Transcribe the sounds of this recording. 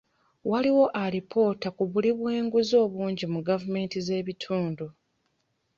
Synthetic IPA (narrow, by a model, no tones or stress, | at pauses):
waliwo̞ʔaɾipʰo̞ːtakuβuliβwe̞ːŋɡuzo̞ːβuːɲɟimuɡavume̞ːntize̞ːβitʰuːndu